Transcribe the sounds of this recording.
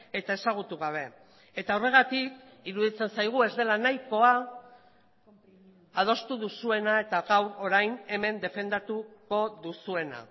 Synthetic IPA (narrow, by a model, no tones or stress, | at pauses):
e̞t̪ae̞saɣ̞ut̪uɣ̞aβ̞e̞ | e̞t̪aore̞ɣ̞at̪ikiɾuðit͡se̞nsajɣ̞ue̞zd̪e̞lanajko̞a | að̞o̞st̪uðusue̞nae̞t̪aɣawɾo̞ɾajne̞me̞nd̪e̞fe̞nd̪at̪uko̞ðusue̞na̰